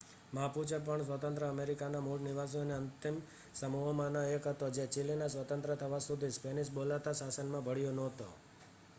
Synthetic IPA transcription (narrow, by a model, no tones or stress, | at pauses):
mãput͡ʃʰepəɳsʋət̪ənt̪ɾəəmeɾikanamuɭniʋas̬ineənt̪im | səmuɦomãnoekɦət̪od͡ʒet͡ʃilinasʋət̪ə̃nt̪ɾət̪ʰəʋasud̪ʱispeniʃbolat̪asasənmãbʱəɽjonɔɦt̪o